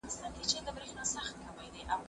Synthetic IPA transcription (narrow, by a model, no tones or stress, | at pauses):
kɪst̪ɑnk̪et͡ʃed̪əbɾexnɑsaxt̪̚kʰawajd̪eʔa